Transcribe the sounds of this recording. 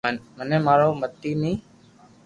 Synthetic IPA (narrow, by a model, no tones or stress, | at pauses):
ənməneːmaːɭoːmət̪ːiːnĩː